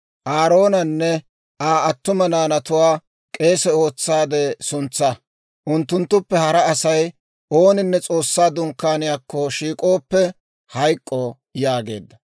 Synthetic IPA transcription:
ʔaːɾo̞ːnɐnːɛ | ʔaːɐt̪ːʊmɐnaːnɐt̪ʊwaː | kʼe̞ːsɛo̞ːt͡sːaːd̪ɛsʊnt͡sːɐ | ʔʊnt̪ːʊnt̪ːʊpːɛhɐɾɐːsɐj | ʔo̞ːnɪnːɛt͡sʼo̞ːsːaːd̪ʊŋkːaːnɪjaːkːɔʃiːkʼo̞ːpːɛ | hɐjkʼːɔ | jaːɡe̞̰ːd̪ːɐ

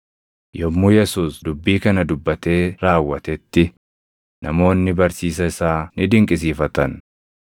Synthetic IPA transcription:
jɔmːuːjɛsuːsd̪ʊbːiːkɐnɐd̪ʊbːɐt̪e̞ːɾaːwːɐt̪ɛt̪ːɪ | nʔɐmo̞ːnːɪbɐɾsiːs̬ɐɪsaːnɪd̪ɪŋkʼɪs̬iːfɐt̪ɐn

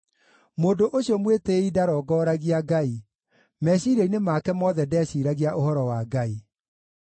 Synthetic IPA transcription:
moːdoʔoɕjɔmweteidaɾɔːɡɔːɾaɣiaɡai | mɛɕiɾeinemakɛmɔðɛdɛɕiːɾaɣiaʔohɔɾɔwaɡai

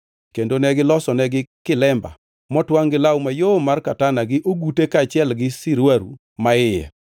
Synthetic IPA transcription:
kendonɛɡɪlɔsɔnɛɡɪkɪlɛmba̰ | mɔtwaŋɡɪlawmajomarkatanaɡɪʔoɡutekat͡ʃɪɛlɡɪsɪɾwaɾṵ | maɪjɛ̰

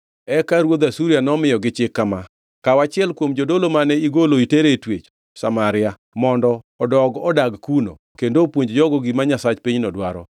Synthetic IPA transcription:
ɛkaɾwod̪asuɾijanɔmɪjɔɡɪt͡ʃɪkːama | kawat͡ʃɪɛlkwomd͡ʒodolomanɛiɡoloiteɾetwet͡ʃ | samaɾɪa | mɔndɔːdɔɡɔdaɡkuno̰ | kendopwoɲd͡ʒd͡ʒɔɡɔɡimaɲasat͡ʃpiɲnɔdwaɾɔ̰

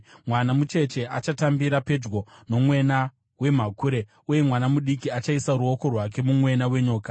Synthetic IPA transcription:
mwanamut͡ʃe̞t͡ʃe̞ʔat͡ʃatambiɾape̞d͡ʒɡo̞no̞mwe̞na | we̞m̤akuɾe̞ | uje̞mwanamuɗikiat͡ʃaisaɾuo̞ko̞rwak̬e̞mumwe̞nawe̞ɲoːka

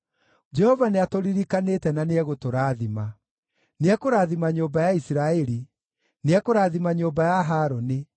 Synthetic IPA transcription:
d͡ʒɛhɔvaneatoɾiɾikanetɛnaneɛɣotoɾaːðima | neɛkoɾaːðimaɲoːbajaisiɾaɛɾi | neakoɾaːðimaɲoːmbajaɦaːɾɔni

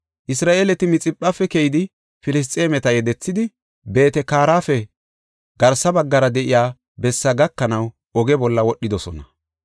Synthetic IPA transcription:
ʔɪsɾaːʔeːlɛt̪ɪmɪt͡sʼɪpʼːafːɛkɛjɪd̪ɪ | fɪlɪs̬t̪ʼe̞ːmɛt̪ɐjɛd̪ɛt͡sːɪd̪ɪ | be̞ːt̪ɛkaːɾaːfɛ | ɡɐɾsɐbɐɡːɐɾɐd̪ɛʔɪjaː | bɛsːɐɡɐkːɐnɐw | ʔɔɡɛbɔlːɐwɔɗːɪd̪ɔsɔnɐ

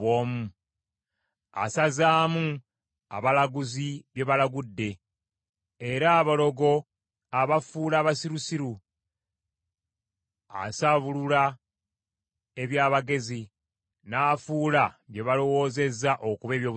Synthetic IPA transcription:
oːmu | a̰sazaːmu | a̰βalaɡuziβje̞βalaɡudːe̞ | eɾaːβolo̞ɡo̞ | aβafuːlaːβasiɾusiɾu | a̰saβulula | e̞βjaːβaɡe̞zi | naːfuːlaβje̞βalo̞wo̞ːze̞zːaʔo̞kuβe̞ːβjo̞ːβ

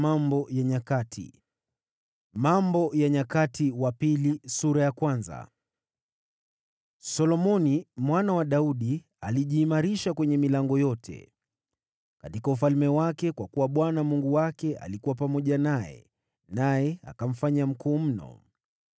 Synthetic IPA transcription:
mambɔjaɲakatʰḭ | mambɔjaɲakatʰiwapilisuɾajakwanza̰ | sɔlɔmɔnimwanawaɗauɗi | aliʄiːmaɾiʃakwɛɲɛmilaŋɡɔjɔtʰɛ̰ | katikaufalmɛwakɛkwakuwaɓwanamuŋɡuwakɛa̰likuwapamɔʄanajɛ̰ | najɛa̰kam̩faɲam̩kuːm̩nɔ̰

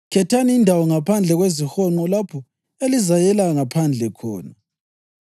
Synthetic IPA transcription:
kʰɛtʰaniːndʱawɔŋapʰand͡ɮʱɛɣwezixɔŋ͡ǃɔlapʰɔ | elizajɛlaŋapʰand͡ɮʱɛkʰɔ̰ːna

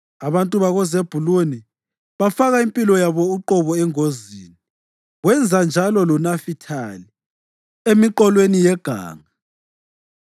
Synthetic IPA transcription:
aβantʼuβaɣɔzeb̥ʱuluni | βafaɣaimpʼilɔjaβɔuǃɔβɔɛŋozḭːni | ɣwɛnd͡zʱand͡ʒʱalɔlɔnafitʰali | emiǃɔlwenijɛɡ̥ʱa̰ːŋa

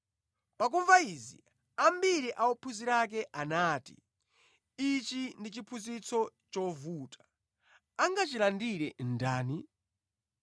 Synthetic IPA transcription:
pak̬uɱvaizḭ | ambiɾiʔaɔpʰuziɾak̬ɛʔanaːtḭ | it͡ʃindit͡ʃipʰuzit͡sʰɔt͡ʃɔvuːtʰḁ | aŋɡat͡ʃilandiɾɛndaːni

